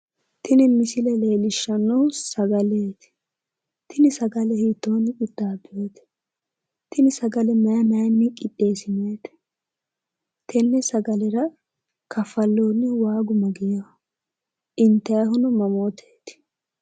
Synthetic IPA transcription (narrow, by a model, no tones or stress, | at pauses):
t̪ʰɪnɪmɪsɪlɛle̞ːlɪʃːɐnːowsɐɡɐleːt̪ɪ̥ | t̪ɪnɪsɐɡɐlɛhiːt̪ːoːnɪkʼɪd̪̥ːaːbeːt̪ɛ̥ | t̪ɪnɪsɐɡɐlɛmɐjɐmɐjɐnːɪkʼɪtʼːe̞ːsɪneːt̪ɛ̥ | t̪ʰɛnːɛsɐɡɐlɛɾɐ | kɐfɐlːoːnːɪwaːɡʊmɐɡɪjo | ʔɪnt̪ːɐjɐɦʊnʊmɐmoːt̪ʰeːt̪ɪ̥